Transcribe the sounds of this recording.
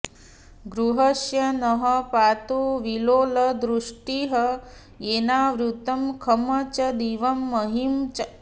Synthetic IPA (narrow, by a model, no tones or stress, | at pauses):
ɡɾuɦɐʃjɐnɐɦɐpaːt̪uʋiloːlɐd̪ɾuʂʈiɦɐ | eːnaːʋɾut̪ɐmkʰɐmɐt͡ʃɐd̪iːʋɐmːɐɦimt͡ʃ